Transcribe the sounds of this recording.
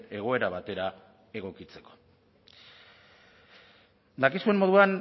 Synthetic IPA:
e̞ɣ̞o̞e̞ɾaβat̪e̞ɾa | e̞ɣ̞o̞kit͡se̞̥ko̥ | d̪akiskuemo̞ð̞uan

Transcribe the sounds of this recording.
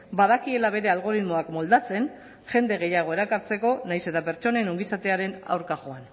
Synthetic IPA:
baðakie̞laβe̞ɾe̞alɣo̞ɾizmo̞akmo̞ld̪at͡se̞n | ʝe̞nd̪e̞ɣ̞e̞jaɣ̞o̞e̞ɾakaɾt͡se̞ko̞najse̞t̪ape̞ɾt͡ʃo̞ne̞noŋɡisat̪e̞aɾe̞na̰wɾkaʝo̞an

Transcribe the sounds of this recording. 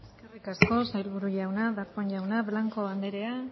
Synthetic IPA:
eske̞rikasko̞sajlβuɾuʎawnaðaɾpoɲʎawnaβlaŋko̞and̪e̞ɾe̞a

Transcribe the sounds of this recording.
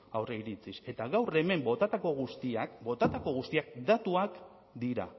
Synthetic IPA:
awreiɾit͡sise̞t̪aɣawre̞me̞mbo̞t̪at̪ako̞ɣust̪iakbo̞t̪at̪ako̞ɣ̞ust̪iak̚d̪at̪uak | d̪iɾa̰

